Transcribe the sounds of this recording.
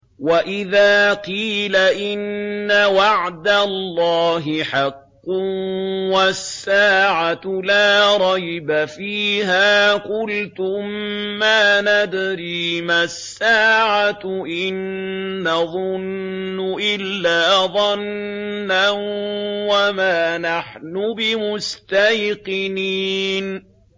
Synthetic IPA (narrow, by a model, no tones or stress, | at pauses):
waʔɪðaːqiːlaʔɪnːawɑʕd̪alːɑːɦɪħɑqːʊwasːaːʕat̪laːɾˤɑjbafiːɦaːkʊlt̪ʊmaːnad̪ɾiːmasːaːʕat̪ʔɪnː | ɑðˤʊnːʊʔɪlːaːðˤɑnː | anwamaːnaħnʊbɪmʊst̪ajqɪniːn